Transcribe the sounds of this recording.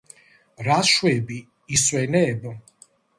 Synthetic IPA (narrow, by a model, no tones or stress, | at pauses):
ɾaʃwɛbiː | swɛnɛːbɔ